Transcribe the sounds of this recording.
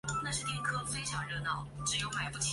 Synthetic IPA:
na˥˧ʂɻ̩˥˧t̪jɛ˥˧˩ŋkʰɤ˥˧fe˥ɪʂʰjɑ˨˩ŋɻɤ˥nɑ˨˩ʊʈ͡ʂɻ̩˧˥jo˥ʊma˨˧ɪpu˥˩t͡ɕʰ

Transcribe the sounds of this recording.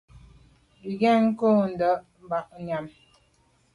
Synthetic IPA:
bi˨ɡɛ˦˨ŋ̩˦ko˦n̩˨də˨˦ʔ | m˨ba˨ʔ̚ɲa˨m

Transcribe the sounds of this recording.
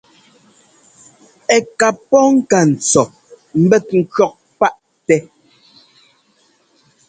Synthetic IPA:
ɛ˨ka˨pːɔ˦ŋ̩˦ka˨n̩˨t͡sɔ˨ | m̩˦bɛ˦t̚ŋ̩˦kɥɔ˦k̚pa˦ʔ | tɛ˦

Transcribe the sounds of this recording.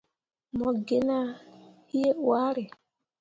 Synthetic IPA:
mɔ˨ɡe˦na˦hi˦je˦wa˦ɾɪ˨

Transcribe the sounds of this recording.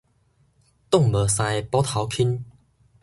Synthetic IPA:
t̪ʊ˥˨ŋmə˨˩sa˧jpɔ˦t̪ʰa˨˦wkʰi˦n

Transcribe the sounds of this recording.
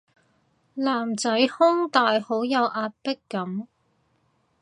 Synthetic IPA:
laː˨˩mt͡sɐ˨˥jhʊ˥ŋt̪aː˨jho˨˥wjɐ˨˧wʔaː˧t̚pɪ˥kːɐ˨˥m

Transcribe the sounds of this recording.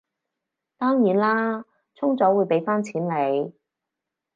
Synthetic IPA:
t̪ɔː˥ŋjiː˨˥nlaː˥ | t͡sʰʊ˥ŋt͡sɔː˨˥wuː˨˧jpe˨˥jfaː˥nt͡sʰiː˨˥nle˨˧j

